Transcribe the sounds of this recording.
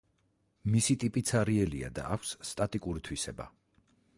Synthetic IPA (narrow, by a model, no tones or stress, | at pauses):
misit̪ʼipʼit̪sʰaɾiɛlia̰d̪a̰akʷʰsːt̪ʼat̪ʼikʼuɾit̪ʰwisɛba̰